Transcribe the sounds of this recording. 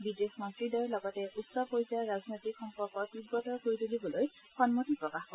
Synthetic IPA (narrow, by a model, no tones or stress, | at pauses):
bidesmɔntɹidɔjlɔɡɔtɛʔutsɔpojzaɹaznojt̪ikxɔmpɔɹkɔt̪id̚ɡɔtɔɹkoɹid̪ulibɔloj | xɔnmotipɹɔkaxkɔ